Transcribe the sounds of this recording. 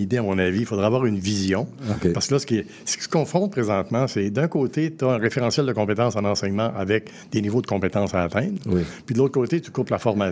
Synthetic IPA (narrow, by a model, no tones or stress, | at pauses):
id̪eamɔ̃navifod̪ʁɛavwaːʁynvizjɔ̃okpaʁsə̥kəlʌsə̥ke | sə̥kʲi̥sə̥kɔ̃fʁɔ̃t̪̚pʁezɑ̃t̪mɑ̃sɛd̪œ̃koːt̪et̪aɛ̃ʁefeʁɑ̃sjɛld̪əkɔ̃pet̪ɑ̃sɑ̃nɑ̃sɛɲmɑ̃ʔavɛk̚ | d̪enivod̪əkɔ̃pet̪ɑ̃saːt̪ɛ̃t̪wpɥid̪əloːt̪χəkoːt̪et̪y̥kʊplafɔʁma